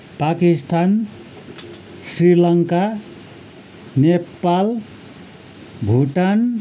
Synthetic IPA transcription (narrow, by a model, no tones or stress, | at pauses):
pakist̪ʰan | srilʌŋka | nepal | bʱuʈan